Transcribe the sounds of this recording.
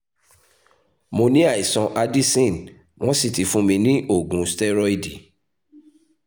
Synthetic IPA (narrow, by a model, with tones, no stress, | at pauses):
mo˧nĩ˦a˦˨i˨sɔ̃˧ʔa˧di˦sĩ˦˨n | w̃ɔ̃˦si˦˨ti˨˦fũ˦mĩ˧nĩ˦ʔo˦˨ɡũ˨˦stɛ˦ɾɔ˦i˦˨di˨